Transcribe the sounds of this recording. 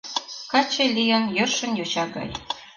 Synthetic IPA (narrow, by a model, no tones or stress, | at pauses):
kɑt͡ɕelʲijənjørʃə̆njot͡ɕɑɡɑ̰j